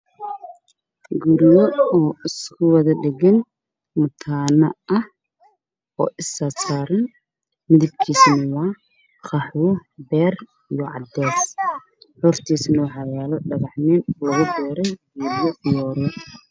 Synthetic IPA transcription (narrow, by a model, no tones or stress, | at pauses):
ɡuɾjɔɔːɪskʰʊwɑðɐɖɛɣɐn | mʊt̪ʰaːnɐ̰ɐh | ɔ̰ːʔɪsaːsaːɾɐn | mɪðɪb̚kʰiːsnɐwɑː | xɑħuːbɛːr | ijɔʕɑ̰d̪ɛːs | ħɔrt̪ʰiːsnɐwɑħɑjaːlɔɖɐɣɑħnɛːnlɐɣʊb̪ɛːɾɛjɡuːɾjɔɪjɔːɾɔ